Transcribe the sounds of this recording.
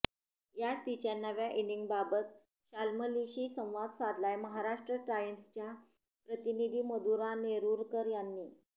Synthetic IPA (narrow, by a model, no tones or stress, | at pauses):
jad͡zt̪it͡ɕanːəʋjaʔiniŋɡbabət̪̚ | ɕalməliɕiːsə̃w̃ʋad̪sad̪ʱlajməɦaɾaʂʈɾəʈɾajəmst͡ɕja | pɾət̪inid̪ʱiːməd̪uɾaneɾuːɾkəɾjanːiː